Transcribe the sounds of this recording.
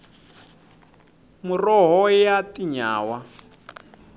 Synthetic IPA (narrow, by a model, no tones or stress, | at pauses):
murɔɦɔjatiɲa̰ːwa